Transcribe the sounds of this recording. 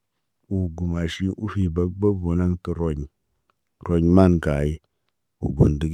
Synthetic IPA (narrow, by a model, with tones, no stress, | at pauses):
u˨ɡu˨ma˨ʃi˦ʔu˦fi˨ba˦ba˦vo˨na˦nkə˨ɾo˦ɲ | ɾo˦ɲma˦˨nɡa˨i˦ | ṵ˨ɡu˨ndi˨˦ɡ